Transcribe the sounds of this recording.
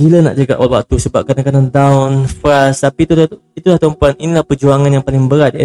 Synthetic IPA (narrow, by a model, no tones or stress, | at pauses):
biləna̰ʔd͡ʒaɡa̰ʔɔlwa̰k̚t̪usəbap̚kanaŋkanandawʊnfɾast̪apit̪u | it̪ulaht̪ɔmpaninilahpərd͡ʒuaŋanjaŋpalɪŋbəɾat̪̚ɛ